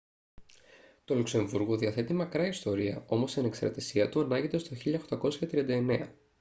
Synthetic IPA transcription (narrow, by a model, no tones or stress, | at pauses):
t̪o̞lukse̞ɱvuɾɣoðiɐθe̞t̪imɐkɾɐist̪o̞ɾiɐ̰ʔo̞mo̞sɐne̞kst̪ɾɐ̰t̪isiɐt̪uɐnɐʝit̪est̪o̞çiʎɐoxt̪ɐko̞sçɐt̪ɾiɐnd̪ɐe̞ne̞ɐ